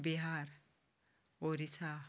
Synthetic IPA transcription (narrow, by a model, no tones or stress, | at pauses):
biɦaɾ | oɾisʰa